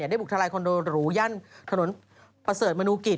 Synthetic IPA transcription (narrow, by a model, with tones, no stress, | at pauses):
da˥˩bu˨˩t̪ʰa˧laː˧jkʰo˧ndoː˧ɾuː˦ja˥˩nt̪ʰa˧no˩˦n | pɾa˧sɤː˨˩t̪̚maː˧nuː˧ki˨˩